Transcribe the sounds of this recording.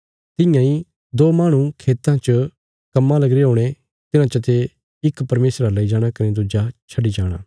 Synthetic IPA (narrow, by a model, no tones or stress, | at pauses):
t̪ɪ̃jãːi | d̪oːmaːɽ̃ũkʰeːt̪ãt͡ʃə | kɐmːãlɐɡɾeɦoːɽ̃e | t̪ɪnãt͡ʃɐt̪e | ɪkpɐɾmeːsɾalɐid͡ʒaːɽ̃akɪned̪ʊd͡ʒat͡ʃʰɐɖid͡ʒaːɽ̃a̰ː